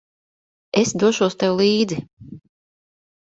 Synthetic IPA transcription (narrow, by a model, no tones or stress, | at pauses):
esd̪uɔʃuɔst̪ewlˠiːd̪zi